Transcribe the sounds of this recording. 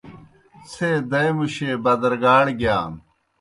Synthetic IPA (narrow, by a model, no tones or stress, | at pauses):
sʰeːd̪ɐjmuɕeːbɐd̪ɐɾɡaːɽɡjaːm